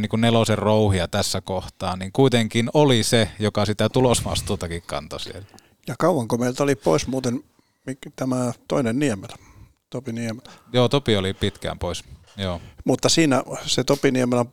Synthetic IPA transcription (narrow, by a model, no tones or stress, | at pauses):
niːŋkunneloserouhiɑt̪æsːækoht̪ɑːnniŋkuit̪eŋkinolisejokɑsit̪æt̪ulosmɑ̰st̪uːt̪ɑkikkɑ̰nt̪ɑsḭḛl | jɑkɑuʋɑŋkomeilt̪olippo̰ismuːt̪en | mikt̪æmæt̪oinenniemelæ | t̪opiniemelæ̥joːt̪opiolipit̪kæ̰mpois | joːmut̪ːɑsiːnæset̪opiniemelæ